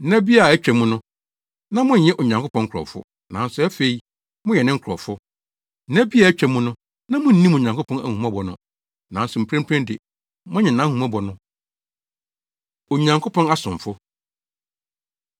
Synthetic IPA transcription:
nɛ̃˦bi˦a˨ɛ˦t͡ɕᶣɛ˨mʊ̃˦nʊ̃˦ | nã˦mʊ̃˦n̩˨jɛ˦ʔo˨ɲã˨ŋkʰpʰɔ̃˦ŋ̩˦kʰɾɔ̰˨fʊ̰˦ | nã˨˦n˦sʊ˨æ˦fe˨i˨ | mʊ̃˦jɛ˨nɪ̃˦ŋ̩˦kʰɾɔ˨fʊ˦ | æ̃˦bi˦a˨ɛ˦t͡ɕᶣɛ˨mʊ̃˦nʊ̃˦ | nã˦mʊ̃˦n̩˦nĩ˦mo˨ɲã˨ŋkʊ˦pʰɔ̃˦næ̰˨hũ˨mã˦bɔ˨nʊ̰̃˨ | nã˨n˦sʊ˨m̩˨pʰɾæ̃˦mpʰɾɛ̃˦ndɪ˨ | mʊ̃˦ɲɪ̃˨nã˨˦hũ˨mã˦bɔ˨nʊ̃˦ | o˨ɲã˨ŋkʰo˦pʰɔ̃˦na˦sʊ̃˨fʊ˦

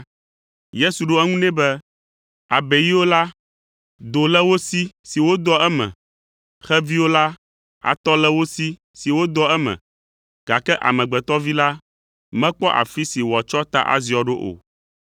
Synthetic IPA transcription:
je˦su˨ɖo˦ɛ˦ŋũ˦nɛ̃˦bɛ˦ | a˨bɛ˨ji˦wo˦la˦ | d̪o˨lɛ˦wo˦si˦si˨wo˦d̪ɔ˦ɛ˦mɛ̰̃˨ | xɛ˦vi˦wo˦la˦ | a̰˨t̪ɔ˦lɛ˦wo˦si˦ | si˨wo˦d̪ɔ˦ɛ˦mɛ̰̃˨ | ɡ̥a˨kɛ˦ʔa̰˨mɛ̃˨ɡ͡bɛ˨t̪ɔ˦vi˦la˦ | mɛ̃˦k͡pɔ˦ʔa̰˨fi˦si˨wɔ˨t͡ʃɔ˦t̪a̰˦ʔa̰˨zi˨ɔ˨ɖo˦ʔo̰˨

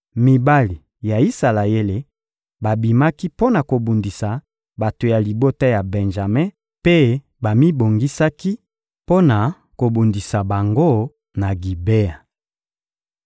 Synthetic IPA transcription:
mi˨ba˦li˨ | ja˨i˦sa˨la˨je˦le˨ | ba˨bi˨ma˦ki˦po˦na˨ko˨bu˨ndi˨sa˨ | ba˨to˨ja˨li˨bo˦ta˦ja˨bɛ˨nʒa˨me˦ | pe˦ | ba˨mi˦bo˨ŋɡi˦sa˦ki˦ | po˦na˨ | ko˨bu˨ndi˨sa˨ba˨ŋɡo˦ | na˨ɡi˨be˦a˨

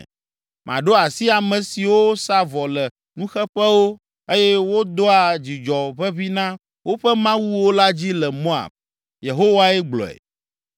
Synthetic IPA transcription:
mʔã̰˨ɖo˦a˨si˦a˨mɛ̃˨si˨wo˦sa˦vɔ˨lɛ˨ | nũ˦xɛ˦ɸɛ˦wo˦ | e˦jɛ˦wo˦d̪o˦a˨d͡ʑi˨d͡ʒɔ˨βɛ˦βi˦nã˦ | wo˦ɸɛ˦mã˦wu˦wo˦la˦d͡ʑi˦lɛ˨mo˦a̰˨b̚ | je˨ɦo˦wa˦ɛ˦ɡ͡blɔ̰˨ɛ̰˨

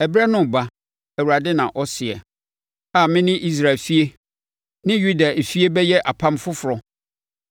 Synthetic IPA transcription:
ɛ˨bɾɛ˦nʊ̃˦˨ba˦ | æ˨wu˨ɾa˨dɪ˦nã̰˨ʔɔ˦sɪ˨ɛ˨ | a˨mɪ̃˦nɪ̃˦ʔi˦s̬ɾa˨lfi˦e˦ | nɪ̃˦ju˦da˨e˨fi˦e˦bɛ˦jɛ˦ʔa˨pʰã˦m˦fʊ˦fʊ˨ɾɔ˨

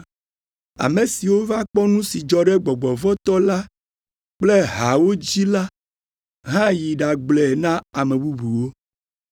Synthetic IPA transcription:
a̰˨me˨si˨wo˦va˦k͡pɔ˦nũ˦si˨d͡ʒɔ˦ɖɛ˦ɡ͡bɔ˨ɡ͡bɔ˨vɔ˦t̪ɔ˦la˦ | k͡ple˦ɦa˨wo˦d͡ʑi˦la˦ | ɦã˦ji˨ɖa˨ɡ͡blɛ˨nã˦a˨mẽ˨bu˦bu˨wo˦

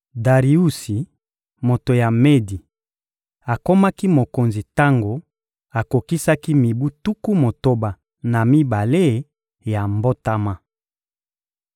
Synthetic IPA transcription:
da˨ʁi˨u˦si˨ | mo˨to˨ja˨me˦di˨ | a˨ko˦ma˦ki˦mo˨ko˨nzi˨ta˦ŋɡo˨ | a˨ko˨ki˦sa˦ki˦mi˨bu˦tu˦ku˦mo˨to˦ba˨ | na˨mi˦ba˨le˦ | ja˨mbo˦ta˦ma˦

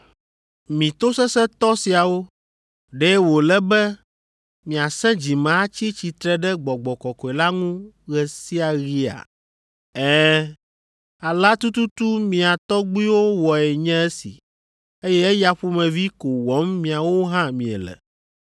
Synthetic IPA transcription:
mĩ˨t̪o˦sɛ˦sɛ˦t̪ɔ˦si˨a˨wo˦ | ɖɛ˦wo˨lɛ˦bɛ˦ | mĩ˨a˨sɛ̃˦d͡ʑi˨mã˨˦t͡ɕi˦t͡ɕi˨t̪ɾɛ˦ɖɛ˦ɡ͡bɔ˨ɡ͡bɔ˨kɔ˨kɔ˨ɛ˨la˦ŋũ˦ | ɣɛ˨si˦a˨ɣi˦a̰˨ | ɛ˦ | a˨la˦t̪u˦t̪u˦t̪u˦mĩ˨a˨t̪ɔ˦ɡ͡bi˦wo˦wɔ˨ɛ˨ɲɛ̃˦ɛ˦sḭ˨ | e˦jɛ˦ɛ˦ja˨ɸu˦mɛ̃˨vi˦ko˨wɔ˨˦mmːĩ˨a˨wo˦ɦã˦mĩ˨ɛ̰˨lɛ̰˨

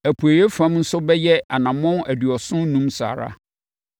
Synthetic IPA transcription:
æ˨pʰu˨æ˨je˦fã˦mn̩˦sʊ˦bɛ˦jɛ˦a˨nã˨mɔ̃˦næ˨dɥɔ˨sʊ̃˦n˦nũ˦msa̰ː˨ɾa̰˦

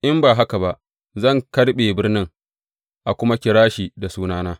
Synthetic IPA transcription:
ʔɪ˦mbaː˨ɦa˦ka˨ba˨ʔ | zɐ˦˨ŋkɐ˦rɓeː˨bɪ˦rnɪ˦ŋ | ʔa˨kʷʊ˦ma˦kʲɪ˨ɾaː˦ʃiː˨da˨suː˦naː˦naː˦

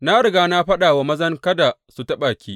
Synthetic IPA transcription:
na˦ɽɪ˨ɡaː˦na˦ɸɐ˦ɗa˨wa˨mɐ˦zɐ˦ŋkɐ˦da˨su˨tɐ˦ɓaː˨kʲiː˦ʔ

